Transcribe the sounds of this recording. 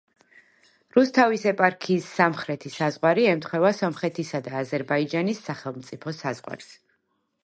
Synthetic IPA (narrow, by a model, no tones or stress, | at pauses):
ɾust̪ʰavisɛpʼaɾkʰiːsːamχɾɛt̪ʰisazʁwaɾiɛmt̪ʰχwɛvasɔmχɛt̪ʰisad̪aːzɛɾbaid͡ʒanisːaχɛlˠmt̪sʼipʰɔsazʁwa̰ɾs